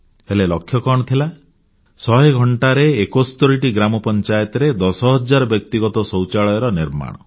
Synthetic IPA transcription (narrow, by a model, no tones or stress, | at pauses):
elelɔkʰːjɔkɔɽ̃ɔt̪ʰila | sɔɦeɡʱɔɳʈaɾeːkost̪oɾiʈiɡɾamɔpɔnt͡ʃajɔt̪ɔɾed̪ɔsɔɦɔd͡ʒaɾɔbjɔkt̪iɡɔt̪ɔsɔwt͡ʃaɭɔjɔɾɔniɾma̰ɽ̃ɔ